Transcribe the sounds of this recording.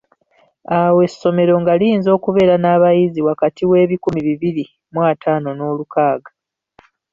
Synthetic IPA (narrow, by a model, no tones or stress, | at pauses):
awe̞sːo̞me̞ɾo̞ŋɡaliːnzo̞ːkuβe̞ːɾanaːβajiziwakatiwe̞ːβikumiβiβiɾi | mwaːtʰaːno̞no̞ːlukaːɡa